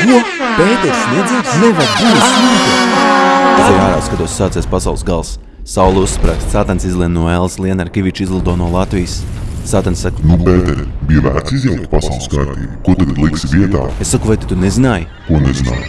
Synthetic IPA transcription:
ju | peːt̪ɛɾsneɛd̪zʲisnuvaɾbuːat̪id̪i | sɛaːɾawskad̪uɔsːaːt̪sɛspasawlˠsɡalˠs | sawlˠusːpɾaːkst̪saːt̪ansizlˠiɛnnuɔelˠslˠiɛnaɾkʲiʋit͡ʃizlˠid̪ɔːnuɔlˠat̪vijssaːt̪ansːaknupeːt̪ɛɾbijvæ̰ɾt̪sizjawk̚t̪pasawlˠskaɾt̪ḭːbkuɔt̪aɡd̪lˠiksivʲiɛt̪a̰ːessakuvajt̪u̥t̪unezinaːj | kuɔnezina̰ːj

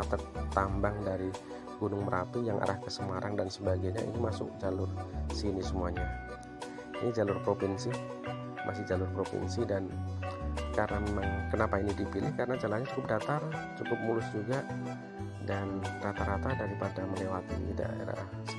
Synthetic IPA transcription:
at̪ək̚t̪ambaŋdaɾi | ɡunʊŋməɾʔap̪ijaŋʔa̰ɾahkəsəmaɾaŋdansəbaɡaɲaʔḭnimasʊ̰k̚d͡ʒalʊrsinisəmuaɲa | inid͡ʒalʊrpɾopinsi | mʔasɪhd͡ʒalʊrpɾopḭnsidan | kaɾənamemaŋkənapainidipilɪhkaɾənad͡ʒalahɲat͡ʃukʊp̚dat̪art͡ʃukʊp̚mulʊsd͡ʒuɡaʔ | danɾat̪aɾat̪adaɾipadaməlewat̪ḭda̰ḛɾa̰

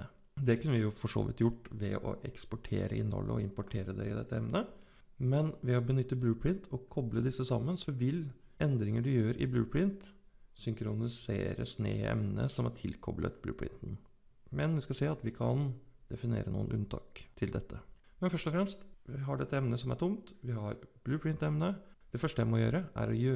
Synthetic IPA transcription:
d̪ɛkʉnːəʋɪjʊfɔʂo̰ːʋɪt̪jʊʈːʋɛɔ̰ʔɛkspɔʈʰḛːɾəɪnːɔ̰lːʔə̰ɔɪmpʊʈʰeːɾəd̪ɛɪd̪ɛt̪ːəɛmnə | mɛnʋɛɔbənʏt̪ːəblʉːpʰɾɪnt̪ʰɔkʰɔbləd̪ɪsːəsɑmːənsɔʋɪlɛnd̪ɾɪŋəɖʉjøːɾɪblʉːpʰɾɪnt̪ | sʏŋkɾʊnɪsḛːɾəsnḛːɛ̰mnənə̰sɔmæʈʰɪlkʰɔ̰blʔə̰t̪blʉ̰ːpʰɹɪ̰nt̪n | mɛnʋɪskɑseːɑt̪ʋɪkʰɑnd̪̥ɛfɪnḛːɾənṵːənʔʉ̰nt̪ʰɑ̰ːk̚t̪ʰɪld̪ɛt̪ʰːə | mɛnfœʂʈɔfɾɛmst̪ʋɪɦɑɖɛt̪ːəɛmnəsɔmæʈʰʊmt̪ʋɪɦɑɾb̥lʉːpʰɹɪnt̪ɛmnəd̪̥ɛfœʂʈəjæɪmɔjø̰ːɾəʔæ̰ɾɔjøː

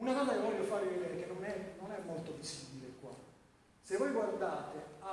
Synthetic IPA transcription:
unakɔːzakevːɔʎːofaːɾeved̪eːɾek̟enːonɛnonɛmːolt̪opisibilekwa̰ | sevːɔjɡward̪aːt̪ea

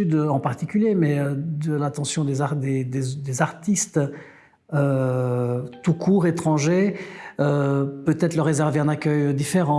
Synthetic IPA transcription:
yd̪øɑ̃paʁt̪ikʲyljemɛød̪əlat̪ɑ̃sjɔ̃d̪ezad̪ed̪ed̪ezaʁt̪ist̪ | ø | t̪ukʰuːʁet̪χɑ̃ʒeøpøt̪ɛt̪χləʁːezɛʁveɛ̃nakʲœjd̪ifeʁɑ̃

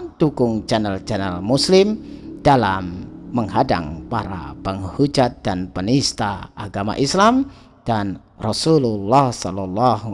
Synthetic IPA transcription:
t̪ukʊŋd͡ʒanəld͡ʒanəlmuslɪmd̥alamːəŋɦada̰ŋpaɾa̰pəŋhud͡ʒat̪̚d̥anpənist̪aʔaɡama̰ʔislam | d̥an | rɔsululːɑhsɔlɔlːɑh

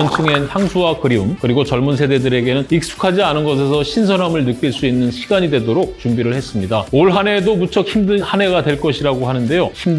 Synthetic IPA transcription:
ʌnt͡ɕʰɯŋe̞nsʰaŋsʰuwakɯɾiumkɯɾiɡot͡ɕʌɭmuns̬ʰede̞dɯɾe̞ɡe̞nɯnik̚s͈u̥kʰad͡ʑianɯnɡʌs̬ʰe̞sʰʌɕʰins̬ʰʌnamɯɭnɯk͈iɭs͈uinːɯnɕʰiɡaɲidwe̞doɾok̚t͡ɕumbiɾɯɭhe̞s͈ɯmɲidaoɭɦane̞domut͡ɕʰʌkçimdɯnhane̞ɡadwe̞ɭk͈ʌɕʰiɾaɡoɦanɯndejoçim

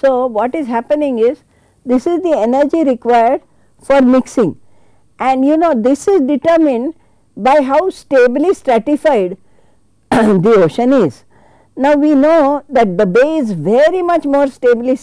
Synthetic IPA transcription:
soːʋɔːʈɪzɦæpənɪ̃ŋɪz | d̪ɪsɪzd̪ienəɾd͡ʒiɾɪkʋaɪəɾɖ | fɔɾmɪksɪ̃ŋ | ʔɛ̃ɳɖjunoːd̪ɪsɪzɖɪʈəɾmɪ̃ɳɖ | baɪɦaʊsʈeːbɪlisʈɾæʈɪfaɪɖ | d̪ioːʃə̃nɪz | naʊʋinoːd̪æʈ̚d̪əbeːɪzʋeɾimʌt͡ʃmoːɾsʈeːbli

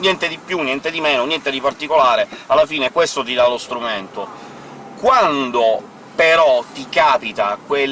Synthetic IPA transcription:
njɛnt̪ed̪ipːjunjɛnt̪ed̪imeːnonjɛnt̪ed̪ipart̪ikolaːɾealːafiːnekwest̪ot̪̬id̪alost̪ɾument̪o | kwand̪o | peɾɔt̪ikaːpit̪akwe

